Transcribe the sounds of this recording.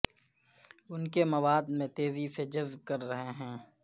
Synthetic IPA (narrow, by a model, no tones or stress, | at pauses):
ʊnkemɐʋaːd̪mẽt̪eːzised͡ʒɐzb̚kɐɾːɐɦeɦɛ̃ː